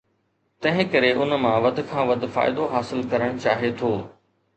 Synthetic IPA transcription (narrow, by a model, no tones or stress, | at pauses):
t̪ɐ̃ɦɪ̃kɐɾeʔʊnmãʋɐd̪ʱkʰãːʋɐd̪ʱfa̰ːɪd̪oɦaːsɪlkɐɾəɽ̃t͡ɕaːɦet̪ʰoː